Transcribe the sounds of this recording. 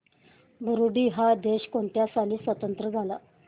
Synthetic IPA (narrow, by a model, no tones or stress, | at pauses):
bʱuɾuɖiːɦad̪eɕkoɳt̪jasaliːsʋət̪ənt̪ɾəd͡zʱala